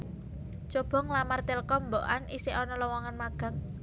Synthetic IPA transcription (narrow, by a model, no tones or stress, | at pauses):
t͡ʃob̥ɔ̤ŋlamart̪elkɔmboʔanʔisɪʔɔnɔlɔwɔŋanmaɡ̥ä̤ŋ